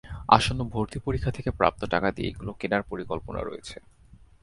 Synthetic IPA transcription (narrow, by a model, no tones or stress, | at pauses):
a̰ʃonobʱoɾt̪ipoɾikʰːat̪ʰekepɾa̰p̚t̪oʈakad̪iḛḛɡulokenaɾpoɾikolpona̰ɾo̰jet͡ɕʰe